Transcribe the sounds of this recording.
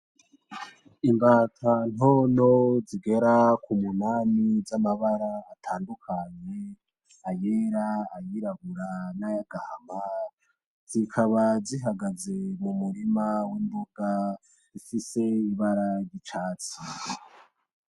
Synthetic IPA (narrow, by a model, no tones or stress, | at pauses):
imbaːtʰan̥ono̞ziɡe̞ɾakumunanizamaβaɾaːtʰaːndukʰaɲe̞ | ajeɾaːjiɾaɡuɾanajaɡ̥ahama | z̥ikʰaβaziɦaɡaze̞mumuɾimawimboɡ̥a | zifise̞iβaɾaɾjit͡ʃaːt͡si